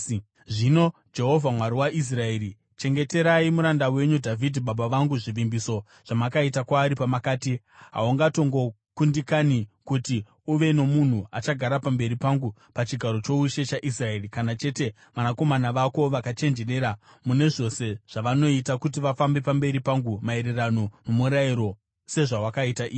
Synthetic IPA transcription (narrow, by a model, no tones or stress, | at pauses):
ʐino̞ | d͡ʒe̞ɦo̞vʱamwaɾiwaʔis̬rae̞ːɾi | t͡ʃe̞ŋɡe̞te̞ɾaimuɾandawe̞ɲudʱavʱidʱiɓaɓaʋaŋɡuʐiʋimbiso̞ | ʐ̥amakaitakwaːɾipamakaːti | ɦa̰uŋɡato̞ŋɡo̞ | kundikanikuti | uʋe̞no̞mun̤uat͡ʃaɡʱaɾapambe̞ɾipaŋɡu | pat͡ʃiɡʱaɾo̞t͡ʃo̞uʃe̞t͡ʃaʔisrae̞ːrikanat͡ʃe̞te̞ | ʋanako̞manaʋako̞ʋakat͡ʃe̞nd͡ʒe̞re̞ːɾa | mune̞ʐo̞se̞ʐ̥aʋano̞itakutiʋafambe̞pambe̞ɾipaŋɡumae̞ɾeranomumuɾaiɾo̞ | se̞ʐawakaitaʔiː